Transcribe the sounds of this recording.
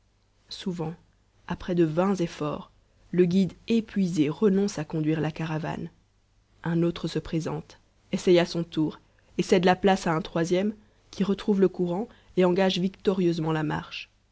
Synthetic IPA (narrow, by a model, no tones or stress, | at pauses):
suvɑ̃ | apχɛd̪əvɛ̃zefɔ̰ːʁ | ləɡʲid̪epɥizeʁənɔ̃sakɔ̃d̪ɥiʁlakaʁava̰n | ɛ̃not̪χəsəpχezɑ̰̃t̪ | esɛjasɔ̃t̪uːʁ | esɛd̪laplasaɛ̃t̪χwazjɛm | kʲiʁət̪χuvləkuʁɑ̃ | eɑ̃ɡaʒvikt̪ɔʁjøzmɑ̃lama̰ʁʃ